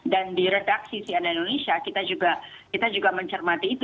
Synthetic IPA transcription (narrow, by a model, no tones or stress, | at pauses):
dandiɾedaksisiandaindonesiakit̪ad͡ʒuɡa | kit̪ad͡ʒuɡaməɲt͡ʃərmat̪iːt̪